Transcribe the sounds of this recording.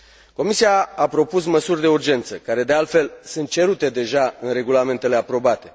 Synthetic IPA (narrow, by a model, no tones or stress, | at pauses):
ko̞misiaapɾo̞pus̬məsurʲd̪e̞urd͡ʒe̞nt̪səkaɾe̞d̪e̞alt̪fe̞lsunt̪̚t͡ʃe̞ɾut̪e̞d̪e̞ʒaɨnre̞ɡulame̞nt̪e̞le̞apɾo̞bat̪e̞